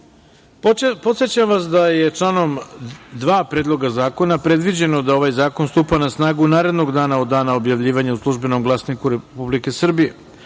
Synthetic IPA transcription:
po̞t̪sjet͡ɕamʋasd̪aje̞t͡ʂlˠaːno̞md̪ʋaːpɾeːd̪lˠo̞ɡazaːko̞napɾe̞d̪ʋid͡ʑe̞nod̪ao̞ʋajzaːko̞nst̪uːpanasnaːɡunaːɾe̞d̪no̞ɡd̪aːnaod̪ːaːnao̞bjaʋʎiːʋaɲeuslˠuʒbe̞no̞mɡlˠasnikuɾepublike̞sr̩bije̞

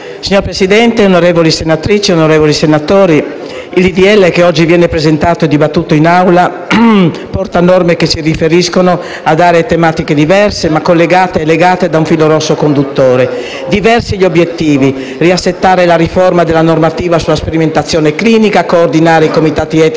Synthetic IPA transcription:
siɲoɾpɾesid̪ɛnt̪eonoɾeːvolisenat̪ɾit͡ʃeonoɾeːvolisenat̪oːɾi | ilid̪iɛlːekeɔd͡ʒːivjɛːnepɾezent̪aːt̪oed̪ibat̪ːuːt̪oinawla | pɔrt̪anɔrmekesirifeɾiskono | ad̪aːɾet̪emaːt̪iked̪ivɛrsemakːolːeɡaːt̪eːleɡaːt̪ed̪auɱfiːloɾɔsːokond̪ut̪ːoːɾe | d̪ivɛrsiʎobjet̪ːiːvi | riasːet̪ːaːɾelaɾiformad̪elːanormat̪iːvasulaspeɾiment̪at̪sːjoːnekliːnikakoːrd̪inaːɾeikomit̪aːt̪iɛt̪

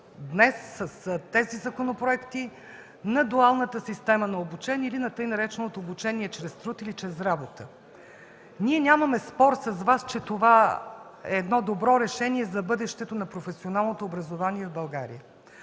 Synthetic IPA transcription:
d̪nɛsːəst̪ɛzizɐkonopɾoɛkt̪i | nɐd̪ualˠnət̪əsist̪ɛmənɐobut͡ʃɛnʲiilinɐt̪ɤjnɐɾɛt͡ʃɛnot̪oːbut͡ʃɛniɛt͡ʃɾɛst̪ɾut̪ilit͡ʃɾɛsɾabot̪ə | niɛnʲaməmɛspɔɾsɐzvast͡ʃɛt̪ova | ɛːd̪nɔd̪obɾɔɾɛʃɛniɛzɐbɤd̪ɛʃt̪ɛt̪onɐpɾofɛsionalˠnot̪oːbɾəzovaniɛvbɐlˠɡaɾḭjə

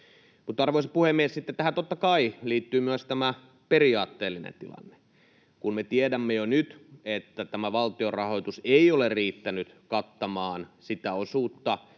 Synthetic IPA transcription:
mut̪ːɑrʋoisɑpuhemːiessit̪ːet̪ːæhæt̪ot̪ːɑkɑiliːt̪ːyːmyøst̪æmæ | periɑːt̪ːeːlːinḛnt̪ilɑ̰nːe̥ | kunmet̪iedæmːejonyt̪et̪ːæt̪æmæʋɑlt̪iorɑhoit̪useioleriːt̪ːænyt̪kɑt̪ːɑmɑːnsit̪æosuːt̪ːɑ

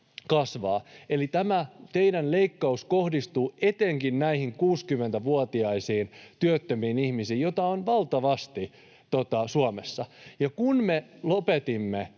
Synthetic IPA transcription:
kɑsʋɑːelit̪æmæt̪eidænleikːɑuskohdist̪uːet̪eŋkinnæihiŋkuːskymːˑent̪æʋuot̪iɑisiːnt̪yøt̪ːømiːnihmisiːjjot̪ɑonʋɑlt̪ɑʋɑst̪i | t̪ot̪ɑsuomesːɑjɑkunmelopet̪imːe

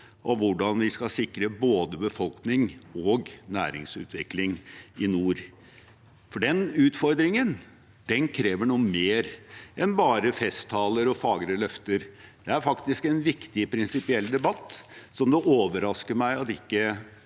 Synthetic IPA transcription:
ʔɔʋʊɖɑnʋɪskɑsɪkɾəboːd̪əbəfɔlknɪŋɔɡnæ̰ːɾɪ̰ŋsʉ̰ːt̪ʰʋɪklɪŋɪnuːɾ | fɔɖɛnʉːt̪fɔɾd̪ɾɪŋən | d̪̥ɛnkʰɾeːʋəɳuːəmeːɾʔɛnbɑːɾəfɛst̪ʰːɑːləɾɔfɑːɡɾəlœft̪əɾd̪ɛæɾfɑkt̪ɪskɛnʋɪkt̪ɪpʰɾɪnsɪpɪɛlːd̪ɛbɑt̪ːsɔmd̪ɛʔoːʋəɾɑskəmæɪɑt̪ɪkːə

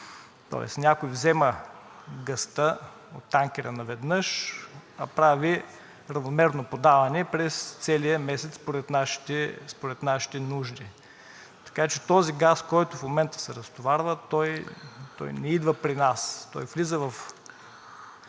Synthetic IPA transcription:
t̪ɔ̰ɛ̰snʲakojvzɛmɐ | ɡɐst̪ə | o̰t̪ːaŋkʲɛɾənɐvɛd̪nəʃɐpɾavi | ɾɐvnomɛɾnopod̪avɐnɛpɾɛst̪sɛlijəmɛsɛt̪spoɾɛt̪naʃi̥t̪ɛspoɾɛt̪naʃi̥t̪ɛnuʒd̪i | t̪ɐ̥kat͡ʃɛt̪ɔziɡaskɔjt̪ʊfmomɛnt̪ə̥sɛɾɐst̪ovaɾvət̪ɔjt̪ɔ̰jnɛid̪vɐpɾinast̪ɔ̰jvlizəvɐf

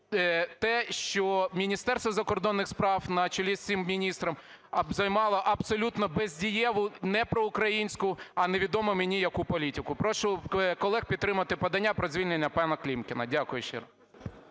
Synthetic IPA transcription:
t̪ɛʃt͡ʃɔmʲinʲist̪ɛrst̪ʋɐzɐkɔrd̪ɔnːɪxspɾɑwnɐt͡ʃɔlʲisʲt͡sʲimmʲinʲist̪ɾɐm | ɐbzɐjmɑlˠɔʔɐbsɔlʲut̪nɔbɛzʲdʲijɛʋʊnɛpɾɔʊkɾɐjinʲsʲkʊɐneʋʲid̪ɔmɔmenʲijɐkupɔlʲitʲɪkʊpɾɔʃʊkɔlˠɛxpʲid̪ːɾɪmɐt̪ɪpɐd̪ɐnʲːapɾɔzʲʋʲilʲnenʲːɐpɑnɐklʲimkʲɪnɐ̰dʲakʊjʊʃt͡ʃḛɾɐ

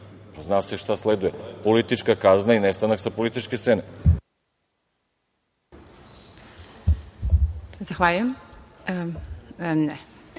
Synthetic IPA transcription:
paznasɛʃt̪aslɛd̪ujɛpolit̪it͡ʃkakaznainɛst̪anaxsapolit̪it͡ʃkessɛnɛ | zaxʋaʎujɛm | nɛ

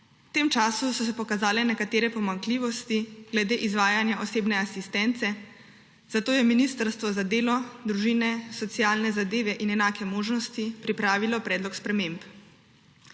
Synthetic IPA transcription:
t̪eːmt͡ʃaːsusɔsɛpɔkazaːlɛnɛkat̪eːɾɛpɔmaŋkliːʋɔst̪iɡlɛd̪eːʔizʋaːjanjaʔoseːbnɛasist̪ɛnt̪sɛ | z̥at̪oːjɛminist̪əɾst̪ʋɔzad̪eːlɔd̪ɾuʒiːnɛsɔt̪sijaːlnɛzad̪eːʋɛʔinɛnaːkʰɛmoːʒnɔst̪ipɾipɾaːʋilɔpɾɛːd̪lɔkspɾɛmemp

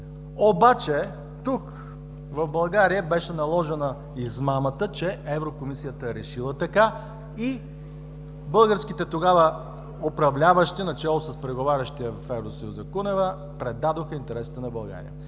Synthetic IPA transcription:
obat͡ʃɛ | t̪uk | vɐvbɐlˠɡaɾijəbɛʃɛnɐlˠɔʒɛnə | izmamət̪ət͡ʃɛɛvɾokomisijət̪əɾɛʃilˠət̪ɐka | i | bɤlˠɡəɾskit̪ɛt̪oɡavə | opɾɐvlʲavəʃt̪inɐt͡ʃɛlˠosəspɾɛɡovaɾʲəʃt̪ijəvfɛvɾosɐjuzɐkunɛvə | pɾɛd̪ad̪oxəint̪ɛɾɛsi̥t̪ɛnɐbɐlˠɡa̰ɾḭjə̰

